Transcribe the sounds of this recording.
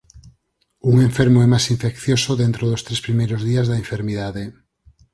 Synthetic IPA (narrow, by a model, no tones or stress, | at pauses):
uŋẽɱfeɾmoɛmasiɱfekθjosoðent̪ɾoðost̪ɾespɾimejɾozðiazðaeɱfeɾmiðaðe